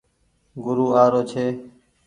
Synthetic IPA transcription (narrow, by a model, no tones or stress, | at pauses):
ɡʊɾuːaːɾoːt͡ʃʰeː